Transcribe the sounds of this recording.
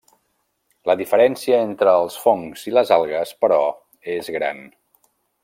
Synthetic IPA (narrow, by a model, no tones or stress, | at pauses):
ləðifəɾɛnsiəent̪ɾəːlˠsfoŋz̥iləzalˠɣəspəɾɔ | ezɣɾa̰n